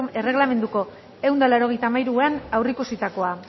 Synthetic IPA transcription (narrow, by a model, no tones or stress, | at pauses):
e̞re̞ɣ̞lame̞nd̪uko̞ | e̞wnd̪alaɾo̞ɣe̞jt̪amajɾuanawrikusit̪ako̞a